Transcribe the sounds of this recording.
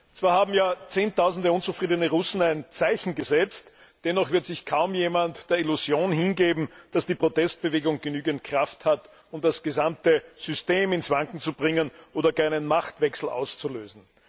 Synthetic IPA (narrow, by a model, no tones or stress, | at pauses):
t͡sv̥aːɐhaːbm̩jaːt͡seːntʰaʊzn̩dəʊnt͡sufʁiːdənəʁʊsn̩æɪnt͡saɪçn̩ɡəzɛt͡st | d̥ɛnːɔχv̥ɪɐtz̥ɪçkʰaʊmjeːmantd̥eːɐiluzjoːnɦɪnɡeːbm̩d̥asd̥iːpʁ̥otɛst̚b̥əveːɡʊŋɡənyːɡənt̚kʁ̥afthat | ʊmdasɡ̥əzamtəz̥ʏsteːmɪnsv̥aŋkŋ̩t͡subʁɪŋənʔoːdɐkaɪnənmaχtv̥ɛksl̩ʔa̰ʊst͡suløːzn̩